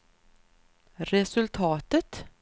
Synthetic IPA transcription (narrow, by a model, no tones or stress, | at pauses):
ɾɛsɵlt̪ʰɑːt̪ət̪